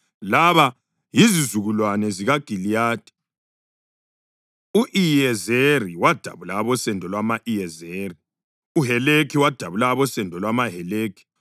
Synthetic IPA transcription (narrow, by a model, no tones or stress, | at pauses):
laβa | jizizuɣulwanɛziɣaɡ̥ʱilijaːd̥ʱɛ̥ | uʔijɛzeriwad̥ʱaβulaːβɔsɛndʱɔlwamaʔijɛzeri | uɦɛlekʰiwad̥ʱaβulaːβɔsɛndʱɔlwamaɦɛleːkʰi̥